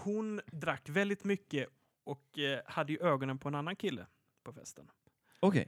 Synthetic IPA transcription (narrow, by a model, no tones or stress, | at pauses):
hʊnd̪ɾakːvɛld̪ɪt̪mʏkːə | ɔkhad̪ːəjɵʔøːɡɔnənpʰɔɛnanːankʰɪlːə̰ | pʰɔfɛ̰st̪ən | ɔkʰɛ̰